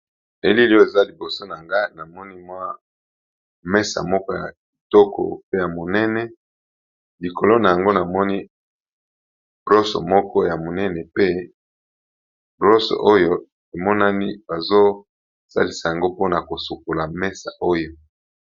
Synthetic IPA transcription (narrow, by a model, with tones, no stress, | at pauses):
e˨li˦li˦o˦e˨za˦li˨bo˨so˦na˨ŋɡa˦na˨mɔ˦ni˦mwa˦ | mɛ˦sa̰˨mɔ˦kɔ˦ja̰˨ | i˨tɔ˦kʰɔ̰˨pe˦ja˨mo˨nɛ˦nɛ˦ | li˨ko˨lo˦na˨ja˨ŋɡo˦na˨mɔ˦ni˦ | bʁo˦so̰˨mɔ˦kɔ˦ja˨mo˨nɛ˦nɛ˨pe˦ | bʁo˦so̰˨ʔo˦jo˦ | e˨mɔ˦na˦ni˦ba˨zo˦ | sa̰˦li˨˦sa˨ja˨ŋɡo˦po˦na˨ko˨su˨ko˨la˨mɛ˦sa̰˨ʔo˦jo˨